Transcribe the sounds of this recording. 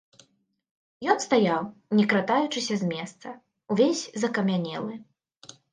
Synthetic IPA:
jɔnst̪ajawnʲɛkɾat̪ajut͡ʂɨsʲɐzmʲɛst̪sɐ | uvʲesʲzɐkɐmʲanʲɛ̰lˠɨ

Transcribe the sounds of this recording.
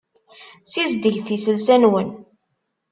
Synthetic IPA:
sizd̪əʝθisəlsænwən

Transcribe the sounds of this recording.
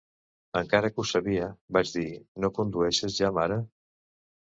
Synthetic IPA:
əŋkaɾəkusəβiəbad͡ʒðinokund̪uɛʃəzʒamaɾə

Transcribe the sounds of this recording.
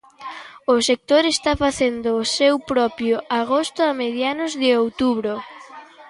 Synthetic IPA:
ʊsek̚t̪oɾest̪afaθend̪ʊːsewpɾɔpɾjʊʔaɣost̪ʊameðjanʊzðɪowt̪uβɾo

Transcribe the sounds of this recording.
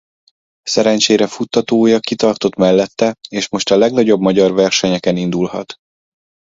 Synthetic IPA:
sɛɾɛnt͡ʃeːɾɛfut̪ːɒt̪oːjɒkit̪ɒrt̪o̞t̪mɛlːɛt̪ːɛeːʃmo̞ʃt̪ɒlɛɡnɒɟo̞bmɒɟɒrvɛrʃɛɲɛkɛnind̪ulhɒ̰t̪

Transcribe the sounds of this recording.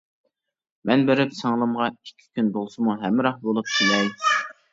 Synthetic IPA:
mʔɛnbeɾɪpsɑŋlˠɨmʁɑikʲʰːi̥kʲʰynbolˠsɨmuɦɛmːɪɾɑχbolˠup̚k̪ʰilɛj

